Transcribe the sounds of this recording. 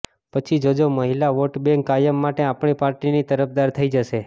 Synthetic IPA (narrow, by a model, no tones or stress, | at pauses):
pət͡ʃʰid͡ʒod͡ʒoməɦilaʋoʈbẽŋkːajəmːaʈeapɳipaɾʈinit̪əɾəp̚d̪aɾt̪ʰəid͡ʒəʃe